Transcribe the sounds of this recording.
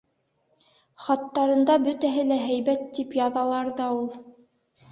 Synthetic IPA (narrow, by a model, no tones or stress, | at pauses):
χɑt̪ːɑɾɤ̆nd̪ɑbɵt̪æɦɘlæɦæjβæt̪ːipjɑðɑlˠɑɾðɑulˠ